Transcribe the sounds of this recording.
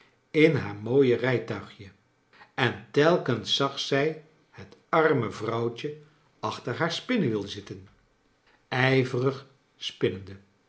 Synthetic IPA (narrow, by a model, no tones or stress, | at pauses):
ɪnɦaːɹmoːjərɛjtœɥχjə | ɛntɛlˠkənsɑχsɛj | hətɑɹməvrɑwt͡ʃə | ɑχtəɹɦaːɹspɪnəʋɪlˠzɪtən | ɛjvərəχ | spɪnəndə